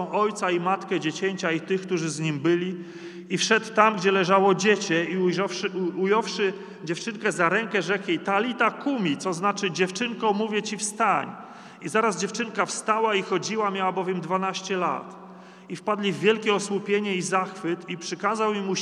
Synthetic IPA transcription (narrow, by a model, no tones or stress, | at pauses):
ɔ̃w̃ɔjt̪saimat̪kɛd͡ʑet͡ɕɛɲt͡ɕait̪ɘxk̚t̪uʐɘzɲimbɘlʲi | ifʂɛt̪ːamɡd͡ʑɛlɛʐawɔd͡ʑet͡ɕɛi | ujɔwʂɘ | d͡ʑɛft͡ʂɘŋkɛzaɾɛŋkɛʐɛkjit̪alʲit̪akumʲit̪sɔznat͡ʂɘd͡ʑɛft͡ʂɘŋkɔmuvʲjɛt͡ɕifst̪aɲ | izaɾazd͡ʑɛft͡ʂɘŋkafst̪awaixɔd͡ʑiwamʲjawabɔvʲjɛmd̪vanaɕt͡ɕɛla̰t̪ | ifpad̪lʲivːʲjɛlkʲɛɔswupʲjeɲɛizaxfɘt̪ipʂɘkazawimu